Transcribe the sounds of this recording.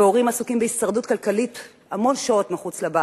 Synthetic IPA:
oʁimasukimbeisaʁdutkalkalit | amo̞nʃao̞tmeχut͡sleba

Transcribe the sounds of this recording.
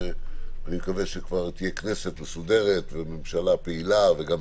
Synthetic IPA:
animekaveʃekvaʁt̪ije̞kne̞se̞t̪mesud̪e̞ʁet̪veme̞mʃalapeilaveɡam

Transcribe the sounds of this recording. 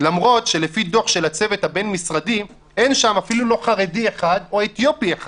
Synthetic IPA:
lamʁo̞tʃe̞le̞fido̞χʃe̞lat͡se̞vet̪habe̞nmisʁadim | e̞nʃamafilulo̞χaʁe̞dieχad̪o̞et̪jo̞pieχa

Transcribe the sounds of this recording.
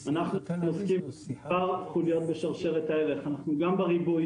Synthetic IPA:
anaχnunoskimaʁχulijo̞t̪̚beʃaʁʃe̞ʁet̪aeʁeχanaχnuɡambeʁibu

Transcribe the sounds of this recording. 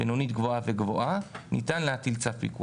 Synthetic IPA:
benonit̪ɡvoaveɡvoʔanitanleatilt͡safḭkṵ

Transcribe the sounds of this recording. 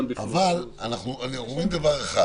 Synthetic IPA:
a̰valanaχnuanʁoimd̪avaʁeχa

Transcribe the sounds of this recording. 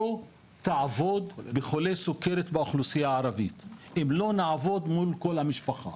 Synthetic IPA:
o | t̪aʕavo̞d̪beχolesukeɾet̪baoχlusijaʕaɾavit̪emlo̞naʕavo̞d̪mulko̞lhamiʃpaχa̰

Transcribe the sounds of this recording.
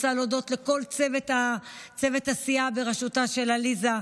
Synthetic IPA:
salodo̞tle̞ko̞lt͡sevetat͡sevetasiabeʁeʃutaʃe̞laliza

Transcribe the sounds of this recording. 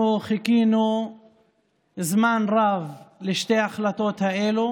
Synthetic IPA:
uχikinu | zmanʁavleʃt̪ejaχlat̪o̞t̪haelu

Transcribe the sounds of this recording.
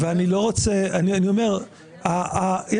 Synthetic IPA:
veanilo̞ʁot͡seanianio̞me̞ʁ | aje

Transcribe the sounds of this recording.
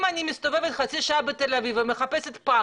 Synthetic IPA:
manimist̪o̞ve̞vet̪χat͡siʃaabet̪elaviveme̞χape̞set̪pa

